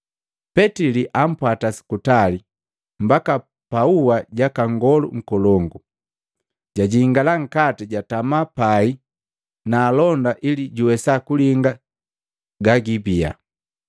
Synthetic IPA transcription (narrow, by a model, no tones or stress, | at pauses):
pɛtiliʔam̩pwatasi̥kutali | mbaka | pauwaɟakaŋɡɔluŋ̩kɔlɔŋɡu | ɟaɟiːŋɡalaŋ̩katiɟatamapai | naːlɔndaʔiliɟuwɛsakuliŋɡa | ɡaɡibia̰